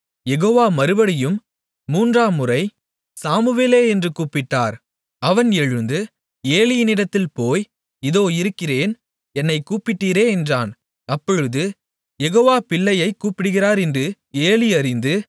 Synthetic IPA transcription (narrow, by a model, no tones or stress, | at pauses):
jɛɣoːʋaːmɐɾɯʋɐɽɪjɯmː | uːndraːmʊrɐɪ | saːmɯʋeːleːɛndrɯkuːpɪʈːaːɾ | ɐʋɐnɛɻɯnd̪ɯ | eːlɪjnɪɽɐt̪ːɪlpoːj | ɪðoːɪɾɯkːɪreːn | ɛnːɐɪkuːpɪʈːiːɾeːɛndra̰ːn | ɐpːɔɻɯðɯ | jɛɣoːʋaːpɪɭːɐjɐɪkːuːpɪɽɯɣɪraːɾɛndrɯ | eːlɪɐɾɪnd̪ɯ